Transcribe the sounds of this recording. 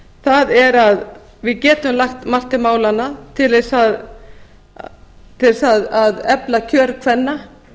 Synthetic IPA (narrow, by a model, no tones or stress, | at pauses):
θaðɛɾað | vɪðcɛːt̪ʏmlaxt̪mar̥t̪ɪmaːwlanːat̪ʰɪlɛsað | t̪ʰɪɛsaðaðɛplacʰœːɾkʰvɛnːa